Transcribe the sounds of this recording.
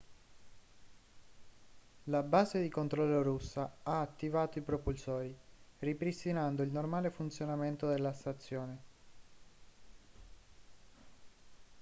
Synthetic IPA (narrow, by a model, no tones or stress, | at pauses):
labaːzed̪ikont̪ɾɔlːoɾusːaaːt̪ːivaːt̪oipɾopulsɔːɾiripɾist̪inand̪oilnormaːlefunt̪sjonament̪od̪elːast̪at̪sːjɔːne